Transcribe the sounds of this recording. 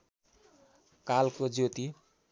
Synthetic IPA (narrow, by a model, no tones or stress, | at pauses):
kalkod͡zot̪i